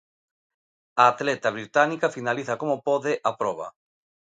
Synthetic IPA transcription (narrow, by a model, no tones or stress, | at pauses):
aːt̪lɛt̪aβɾit̪anikafinaliθakomopɔðɪʔapɾɔβ̞ɐ̰